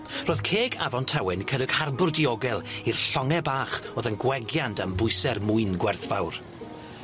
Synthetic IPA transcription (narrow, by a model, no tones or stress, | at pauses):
roːð̥kʰeːɡavɔntʰawɛnkʰəɾɨɡ̥harbʊrdiɔɡɛlˠir̥ɬɔŋɛbaːχoːðənɡwɛɡjantʰambʊɨsɛrmʊɨnɡwɛrθvawr